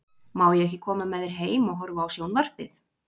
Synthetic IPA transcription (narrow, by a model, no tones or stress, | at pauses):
mawðjɛɛhcːɪkʰɔːmamɛːðɪɾ̥ɦeːjmɔɣɦɔɾvaːwsjoːwnvar̥pɪθ